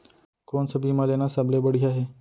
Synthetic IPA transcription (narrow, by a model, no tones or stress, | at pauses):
koːnsəbimalenasablebəɽ̤ijaɦe